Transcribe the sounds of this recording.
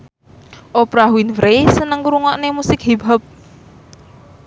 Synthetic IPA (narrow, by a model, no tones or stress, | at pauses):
ʔopɾaɦwinfɾesənəŋkuɾuŋɔʔnemusɪk̚ɦibəp̚